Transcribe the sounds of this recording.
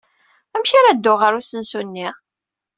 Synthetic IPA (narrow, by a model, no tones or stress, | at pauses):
æmçaɾæd̪ːʊʁəɾusənsunːiʁ